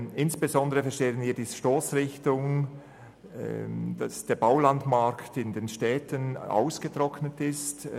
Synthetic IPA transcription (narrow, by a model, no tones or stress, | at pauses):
ɪnsb̥ezɔndəʁəfɛɐʃteːənviːɐdiːzəʃtoːsʁɪçtʊŋ | d̥ɑ̰sd̥eːɐbaʊlɑndmɑɐktɪndenʃtɛːtəna̰ʊsɡ̥ətʁ̥ɔknətɪst